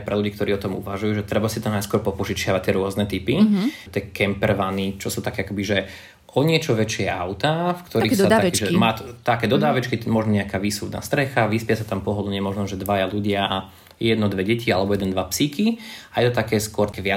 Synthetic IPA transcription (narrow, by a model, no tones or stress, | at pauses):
pɾɛluɟiːkt̪ɔɾiːɔt̪ɔmṵʋaʒujuːʒɛt̪ɾɛbasit̪ɔnajskwɔɾpɔpɔʒit͡ʃɪaʋac̚t̪ɪɛɾʊɔznɛt̪ipit̪ɪɛkɛmpɛɾʋanit͡ʃɔsuːt̪akɛakɔbiʒɛ | ʔɔɲɪɛt͡ʃɔʋɛt͡ʃɪɛʔaʊt̪afkt̪ɔɾiːsat̪ːaiʒɛmaːt̪t̪akɛːd̪ɔd̪aːʋɛt͡ʃkimɔʒnɔɲɛakaːʋiːsubd̪na̰ːst̪ɾɛxaʋispɪasat̪ampɔɦɔd̪ɲɪɛmɔʒnɔʒɛd̪ʋajaluɟɪaʔa | jɛd̪nɔd̪ʋɛɟɛcʰialɛbɔjɛd̪ɛnd̪ʋapsikiajɛt̪ɔt̪akɛːskʊɔɾt̪ɛʋɪa